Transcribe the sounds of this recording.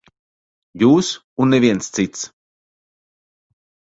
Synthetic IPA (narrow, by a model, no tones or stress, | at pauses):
juːs | unːevʲiɛnst̪sit̪s